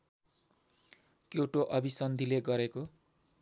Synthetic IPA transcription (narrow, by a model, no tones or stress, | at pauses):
kowʈoʔʌbʱisʌnd̪ʱileɡʌɾeko